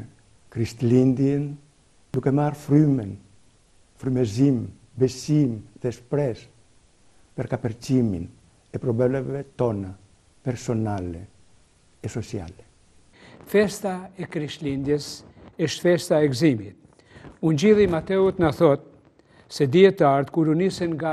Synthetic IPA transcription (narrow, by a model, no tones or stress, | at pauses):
kɾiʃt̪lind̪jɛn | d̪ukɛmarfɾymɛn | fɾymɛzim | bɛsimðɛspɾɛs | pɛɾkapɛɾt͡ʃimḭn | ɛpɾɔbɛlɛvɛt̪ɔna | pɛɾsɔnalɛ | ɛsɔsia̰lɛ | fɛst̪aɛkɾiʃlind̪jɛs | ɛʃfɛst̪aɛɡzimit̪̚ | uɲd͡ʑiðimat̪ɛut̪naθɔt̪̚ | sɛd̪iɛt̪aɾt̪kuɾunisɛnŋɡa